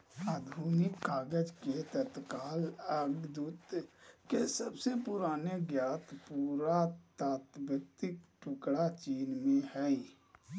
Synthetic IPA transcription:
aːd̪ʱuːnɪkːaːɡəd͡ʒket̪ət̪kaːləɡd̪uːt̪kesəbsepʊɾaːneɡjaːt̪puːɾat̪aːt̪bɾək̚t̪ɪk̚ʈʰʊkɽat͡ʃiːnmẽhɛi

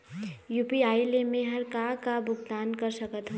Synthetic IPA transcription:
jupiaːilemẽɦɐɾkakabʊɡd̪aːnkəɾsəkət̪ɦũ

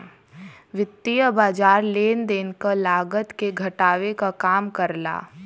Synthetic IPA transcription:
ʋɪt̪ːijəbaːd͡ʒaːɾleːnd̪eːnkəlaːɡət̪keɡʱɐʈaːʋekakaːmkəɾla̰ː

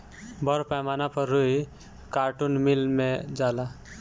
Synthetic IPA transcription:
bʌɾpajmanapəɾːui | kaɾʈunmilmed͡ʒala

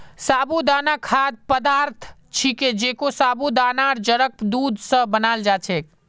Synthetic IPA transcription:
saːbud̪anakʰad̪̚pəd̪aɾt̪ʰ | t͡ʃʰiked͡ʒekosabud̪anaɾd͡ʒəɾək̚d̪ud̪sə̃bənald͡ʒat͡ʃʰek

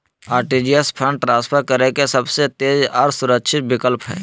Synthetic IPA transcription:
aːɾʈid͡ʒijəspʰə̃ɳɖʈɾãːspʰəɾkɐɾekesɐbset̪eːzaːɾsʊɾəkʃʰɪt̪̚bɪkəlpɦɛ̰ː

